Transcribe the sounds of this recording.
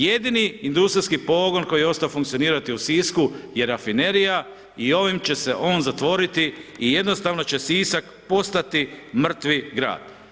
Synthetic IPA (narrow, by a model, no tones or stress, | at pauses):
je̞d̪iniind̪ust̪ɾiskipo̞ːɡo̞nko̞jijeo̞st̪aofuŋkt̪sioniːɾat̪iusiskuje̞ɾafine̞ɾija | io̞ʋimt͡ɕe̞se̞ʔo̞ːnzat̪ʋo̞ɾit̪iije̞d̪no̞st̪aʋno̞t͡ɕe̞siːsak | po̞st̪at̪imr̩t̪ʋiɡɾa̰ːd̪̥